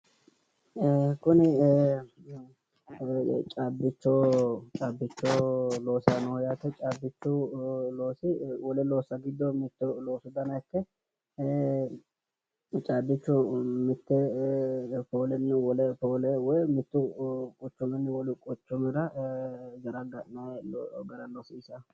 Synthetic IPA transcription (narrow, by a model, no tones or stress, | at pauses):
kʊnɪ | t͡ʃʼaːbːɪt͡ʃːoːt͡ʃʼaːbːɪt͡ʃːolo̞ːsanɔjat̪ɛt͡ʃʼaːbːɪt͡ʃːʊloːsɪwɔlɛlo̞ːsɐɡɪd̪ːɔmɪt̪ːʊloːsʊd̪ɐnɐkːɛ | t͡ʃʼaːbːɪt͡ʃːʊmɪt̪ːɛ | poːlɛnːɛwɔlɛpoːlɛwɔjmɪt̪ːʊkʼɔt͡ʃːʊmɛnːwɔlɪkʼɔt͡ʃːʊmɛɾɐ | ɡɐɾɐɡɐʔnɐɡɐɾɐlɔsiːsɐ